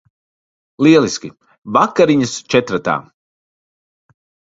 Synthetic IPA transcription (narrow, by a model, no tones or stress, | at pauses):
lˠiɛlˠiskʲi | vakːaɾiɲast͡ʃɛt̪ɾat̪a̰ː